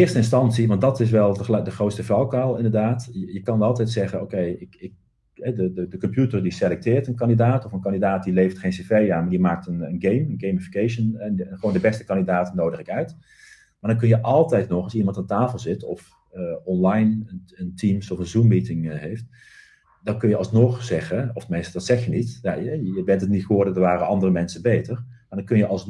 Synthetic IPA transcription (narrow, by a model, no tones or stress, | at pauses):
ɪːərstəɪnstɑnsiʋɑ̃nt̚dɔtɪs̬ʋɛlˠədəxroːtstəfɔwkalˠɪndərdaːtjəkɑnɑlˠtɛjtsɛɣənowkejɪkɪk̚ | hɛdədədəkɔmpjutərdiselɛk̚tɪːrtənkɑndidaːtɔfənkɑndidaːt̚dileːftχeːnsefejaːnmadimaːk̚tənənɡejmənɡejmɪfi̥keʃənɛnxəʋoːndəbɛstə̥kɑndidaːtənoːdəχɪkœɥt | maːɹdɑnk̬ɵnjəʔɑlˠtɛjtnɔχɑlˠsimɑntantaːfəlˠzɪtɔf | ɔnlajnənəntʰimsɔfənzumːitɪŋɦejft | dɑnkɵnjəɑlˠsnɔχzɛχəɔftmejstˠdɑtsɛxjənitja̰jəbɛntətnitχoːɹdədəɹʋaːrəɑndərəmɛnsəbejtər | maːɹdɑnkɵnjəʔɑlˠs